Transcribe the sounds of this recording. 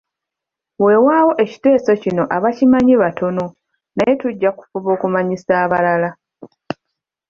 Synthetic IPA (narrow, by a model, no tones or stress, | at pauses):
we̞ːwaːwo̞ʔe̞ci̥te̞ːso̞cino̞ʔaβacimaɲiβatʰo̞no̞ | naje̞tuɟːaku̥fuβo̞ːkumaɲisaːβalala